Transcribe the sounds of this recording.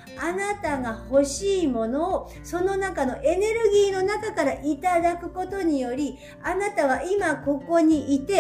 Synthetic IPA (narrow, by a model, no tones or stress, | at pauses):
anat̪aɡaho̞ɕiːmo̞no̞ː | so̞no̞nakano̞ʔe̞ne̞ɾɯ̟ɡʲiːno̞nakakaɾaʔit̪ad̪akɯ̟ko̞t̪o̞ɲ̟ijo̞ɾʲi | anat̪aβ̞aimako̞ko̞ɲ̟iʔit̪e̞